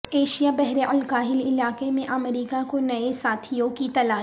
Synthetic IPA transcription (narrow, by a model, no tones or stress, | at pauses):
eːʃijabɛɦɾeʔɐlkaːɦɪlɪlaːkemẽʔɐmɾiːkakonɐesaːt̪ʰijõkit̪ɐlaː